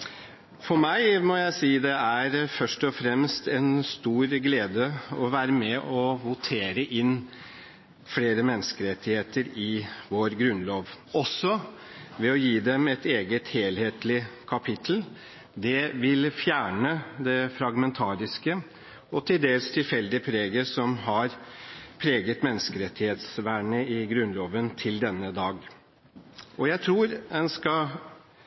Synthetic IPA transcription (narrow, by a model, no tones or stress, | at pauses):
fɔɾmæɪmɔjæɪsiːd̪ɛæɾfœʂʈɔfɾɛmst̪ʰɛnst̪uːɾɡleːd̪əɔʋæːɾəmɛʔɔʋʊt̪ʰeːɾəʔɪnː | fleːɾəmɛnːəskəɾɛt̪ːɪheːt̪əɾɪʋoːɾɡɾʉnloːʋ | ɔsːɔʋɛɔjiːd̪ɛmɛt̪eːɡət̪heːlheːt̪lɪkʰɑpʰɪt̪ʰəl̩ | d̪ɛʋɪlfjæːɳəd̪ɛfɾɑɡmɛnt̪ʰɑːɾɪskə | ɔt̪ʰɪld̪eːlst̪ʰɪlfɛld̪ɪpʰɾeːɡəsɔmɦɑɾpʰɾeːɡət̪mɛnːəskəɾɛt̪ːɪheːt̪sʋæːɳəɪɡɾʉnloːʋənt̪ʰɪld̪ɛnːəd̪ɑːɡ | ɔjæɪt̪ʰɾuːɾɛnskɑ